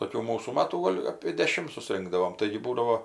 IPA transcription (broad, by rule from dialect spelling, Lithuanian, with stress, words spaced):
toːˈkʲuː ˈmuːsuː ˈmɑːtuː ˈɡoːlʲ ɐpʲeː dʲɛˈʃʲɪm sʊˈsʲrʲɪŋɡdɐʋoːm ˈtɐɪɡʲɪ ˈbuːdɐʋoː